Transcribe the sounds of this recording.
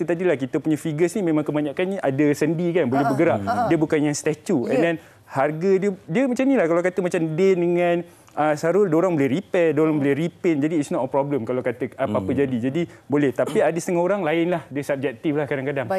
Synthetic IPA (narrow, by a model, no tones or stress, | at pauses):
it̪ut̪adilahkit̪əpuɲafiɡəsnimẽmãŋkəbaɲaʔkanniʔadəsəndikanbolɛɦbəɡəɾaʔdiəbukanjaŋst̪ɛt͡ʃuɛ̰ndɛn | harɡədiədiəmat͡ʃamnilahkalawkat̪əmat͡ʃamdetdəŋãn | ʔəsaɾʊldoɾaŋbolɛɦripɛdoɾaŋbolɛhripənd͡ʒadiːt̪snɔtəpɾɔbləmkalawkat̪əapaapəd͡ʒadid͡ʒadibolɛht̪apiadəsət̪əŋaoɾaŋlaɪnlahdəsap̚d͡ʒɛk̚t̪iflahkadaŋkadaŋ